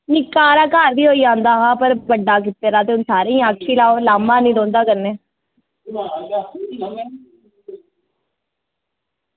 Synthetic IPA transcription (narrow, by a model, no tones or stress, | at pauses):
nɪkaːɾaːkaːɾd̪iːɦoːiːãːnd̪aːɦãːpəɾbəɖːaːk̬ɪt̪ːeːɾaːt̪eːʊnsaːɾeːĩːaːkʰʃiːlaːoːlaːmaːnĩːlõːnd̪aːkəɾneː